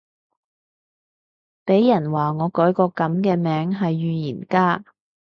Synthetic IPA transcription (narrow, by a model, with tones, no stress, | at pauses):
pe˨˥jːɐ˨˩nwaː˨ŋɔː˨˧kɔː˨˥jkɔː˧kɐ˨˥mkɛː˧mɛː˨˥ŋɦɐ˨jːyː˨jiː˨˩nkaː˥